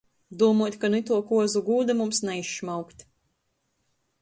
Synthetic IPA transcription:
d̪uɔmuɔt̪ʲkanuit̪uɔkuɔzuɡuːd̪ɛmumsnɛiʃːmawkt̪ʲ

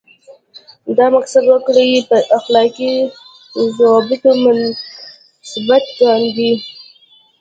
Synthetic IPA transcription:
d̪ɑmaqsad̪wəkɽejipəʔaxlɑki | zɑbɪt̪omʊn | sbat̪̚ɡɑnd̪i

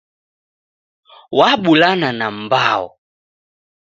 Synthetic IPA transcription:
waɓulananambaɔ̰

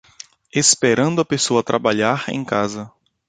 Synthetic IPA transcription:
espeɾɐ̃nd̪ʊɐpesoɐt̪ɾʔabaʎaɾḛ̃j̃kazɐ

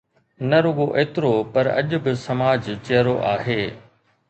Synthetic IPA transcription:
nɐɾoːɡoʔeːt̪ɪɾopɐɾɐ̰ʄʊ̆bɪsɐmaːd͡ʑt͡ɕeːɾoʔaːɦeː

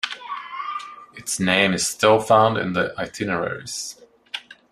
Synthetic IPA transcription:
ɨtsnẽɪ̃mɨz̥stɪlˠfãʊ̃ndɨ̰̃nðiʔaɪtʰɪnəɹɛ̰ɹḭz̥

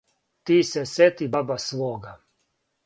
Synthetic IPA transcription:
t̪iːsɛset̪ibabasʋoːɡa

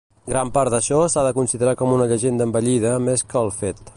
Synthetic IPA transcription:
ɡɾampaɾd̪əʃɔsaðəkunsiðəɾakɔmunəʎəʒend̪əmbəʎiðəmeskəːlˠfet̪

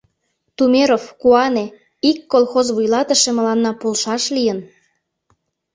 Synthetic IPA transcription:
t̪umeɾofkuɑne | ikːolˠxozβujlɑt̪ə̆ʃĕmə̆lɑnːɑpolʃɑʃlijən

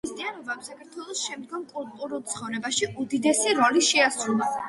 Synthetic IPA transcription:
ist̪ʼianɔbamsakʰaɾt̪ʰwɛlˠɔsʃɛmd̪ɡɔmkʼulˠt̪ʼuɾulˠt̪sʰχɔvɾɛbaʃiʔud̪id̪ɛsiɾɔliʃɛasɾulˠa

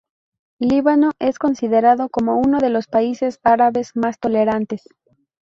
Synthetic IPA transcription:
liβano̞ʔe̞sko̞nsiðe̞ɾaðo̞ko̞mo̞uno̞ðe̞lo̞spaise̞saɾaβe̞zmast̪o̞le̞ɾant̪e̞s

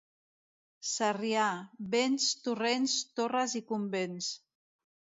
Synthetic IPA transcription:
sariaβenst̪urenst̪orəzikumbens

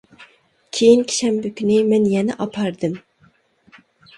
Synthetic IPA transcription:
kʲʰejinkʲʰi̥ʃɛmbykʲynɪmɛnjɛnɛʔɑpʰɑɾd̪ɨm

